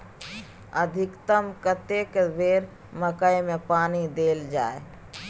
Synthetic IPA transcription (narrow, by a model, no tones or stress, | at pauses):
əd̪ʱɪkt̪əmkət̪ekbeːɾ | məkəjmẽpaːnid̪eːld͡ʒaːe